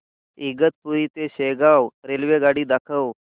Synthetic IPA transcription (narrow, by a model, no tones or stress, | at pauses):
iɡət̪̚puɾiːt̪eɕeɡawɾelʋeɡaɽiːd̪akʰəw